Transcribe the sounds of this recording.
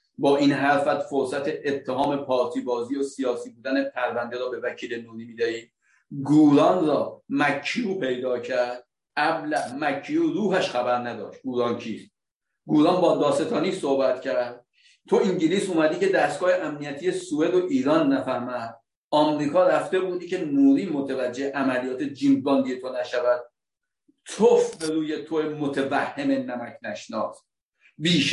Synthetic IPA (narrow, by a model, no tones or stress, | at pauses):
bɒːʔiːnɦæɾfæt̪foɾsæt̪ʰe̞ʔːt̪ʰːeɦɒːme̞pʰɒːɾt̪ʰiːbɒːziːosijɒːsiːbuːd̪ænepʰæɾvænd̪eɾɒːbe̞væcʰiːle̞nuːɾiːmiːd̪æiː | ɡuːɾɒnɾɒːmækʰːijuːpe̞jd̪ɒːcʰæɾd̪̥̚ | ʔæblæmækʰːijuːɾuːɦæʃxæbæɾnæd̪ɒ̰ːʃt̪̚ɡuːɾɒnt͡ʃʰiːst̪̚ | ɡuːɾɒnbɒːd̪ɒːt̪set̪ʰɒːniːsohbæt̪cʰæɾd̪̥̚ | t̪ʰo̞iŋɟiliːsuːmæd̪iːce̞d̪æst̪ɡɒːheʔæmnijæt̪ʰiːje̞sue̞d̪oʔiːɾɒːnːæfæhmæd̪̚ | ʔɒːmɾiːkʰɒːɾæft̪e̞buːd̪icʰe̞nuːɾiːmot̪ʰevæd͡ʒːe̞hʔæmælijɒːt̪ʰed͡ʒiːmbbɒːnd̪ije̞t̪ʰo̞næʃævæd̪̥̚ | t̪ʰofbe̞ɾuːjet̪ʰoemot̪ʰevæhːemenæmæcʰnæʃnɒːs | biːʃ